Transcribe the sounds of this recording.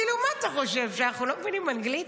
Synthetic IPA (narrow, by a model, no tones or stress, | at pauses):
ilumaːt̪aχo̞ʃe̞vʃeanaχnulomevinimanɡlit